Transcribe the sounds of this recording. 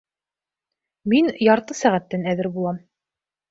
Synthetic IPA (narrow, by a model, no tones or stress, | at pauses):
minjɑɾt̪ɤsæʁæt̪ːænæðɘɾbulˠɑm